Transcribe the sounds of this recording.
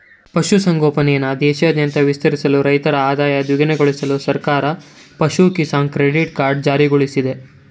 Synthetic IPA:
pɐʃusɐŋɡoːpɐnɛjɐnːɐd̪ɛːʃjaːd̪jɐnt̪ɐʋist̪ɐɾisɐluɾɐjt̪ɐɾɐaːd̪aːjɐd̪ʋiɡɐneɡoɭisɐlusɐɾkaːɾɐpɐʃukisaːŋkɾeɖiʈkaːɾɖ̚d͡ʒaːɾiɡoɭisid̪e̞

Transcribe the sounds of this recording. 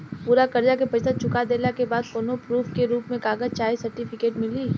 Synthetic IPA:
puːɾakɐɾd͡ʒakepɐd͡ʒt̪ət͡ʃʰʊkad̪eːlakebaːd̪̚koːnopɾuːfkeɾuːpmẽkaːɡət͡ʃaːisɐɾʈifɪkeːʈmɪliː

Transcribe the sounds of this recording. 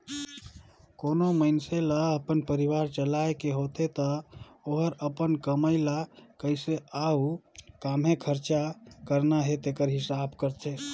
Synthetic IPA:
konoməɪnselaəpənpəɾiʋaɾt͡ʃəlaekeɦot̪et̪əoɦəɾəpənkəməɪlakəɪseaukamɦekʰəɾt͡ʃakəɾnaɦet̪ekəɾɦisabkəɾt͡ʃʰe

